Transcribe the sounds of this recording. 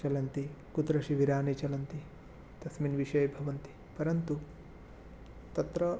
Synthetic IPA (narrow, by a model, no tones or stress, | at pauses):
t͡ʃɐlɐnt̪ikut̪ɾɐʃiʋiɾaːnit͡ʃɐlɐnt̪i | t̪ɐsminʋiʃɐjbʱɐʋɐnt̪i̥ | pɐɾɐnt̪u | t̪ɐt̪ɾɐ